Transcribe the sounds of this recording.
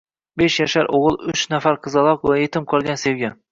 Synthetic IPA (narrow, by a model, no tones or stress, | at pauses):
beʃjaʃaɾʔoʁɨlˠʊt͡ʃnafaɾqʰɨzɑlˠɒqvajet̪ʰɪmqʰɒlˠɡʲansewɡʲa